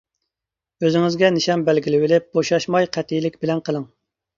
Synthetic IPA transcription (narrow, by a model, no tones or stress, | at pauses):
øzɪŋɪzɡʲɛnɪʃɑmbɛlɡʲilɪwɪlɪp̚boʃɑʃmɑjqʰɛt̪ʰijlɪkʲbɪlɛnqəlˠɨŋ